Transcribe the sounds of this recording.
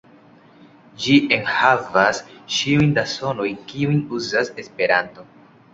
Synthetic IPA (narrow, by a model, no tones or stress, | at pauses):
d͡ʒiʔe̞nhavasʃiujndaso̞no̞jkiujnuzase̞spe̞ɾanto̞